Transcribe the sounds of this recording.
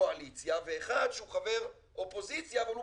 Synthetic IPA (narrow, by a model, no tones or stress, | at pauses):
oalit͡sjaveːχad̪ʃeuχave̞ʁ | ʔo̞po̞zit͡sjaːvalu